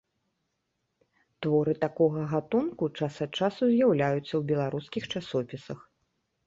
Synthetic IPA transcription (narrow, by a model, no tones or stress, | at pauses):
t̪vɔɾɨt̪akɔɣɐɣat̪unkut͡ʂasɐt̪t͡ʂasuzʲjawlʲajut̪sːɐwbʲɛlˠaɾuskʲixt͡ʂasɔpʲisɐx